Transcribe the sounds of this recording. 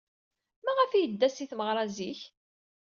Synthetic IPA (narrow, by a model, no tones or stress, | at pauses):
mæʁəfijəd̪ːæsiθməʁɾˤɑziç